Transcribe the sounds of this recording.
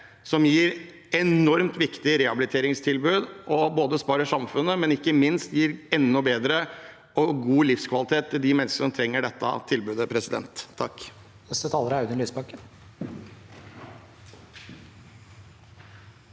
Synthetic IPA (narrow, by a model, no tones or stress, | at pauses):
sɔmjiːɾ | ɛnɔɾmt̪ʋɪkt̪ɪɾɛhɑbɪlɪt̪ʰeːɾɪŋst̪ʰɪlbʉːd̪ʔɔboːd̪əspɑːɾəʂɑmfʉnːəmɛnɪkːəmɪnst̪jiːɾɛnːʊbeːd̪ɾə | ɔɡuːlɪfskʰʋɑlɪt̪ʰeːt̪ʰːɪld̪ɪmɛnskəʂɔmt̪ʰɾɛŋːəɖɛt̪ːə̰t̪ʰɪlbʉːd̪əpʰɾɛsɪd̪ɛ̰nt̪ʰːɑkː | nɛst̪ət̪ʰɑːləɾɑʉd̪ənlyːsbɑkən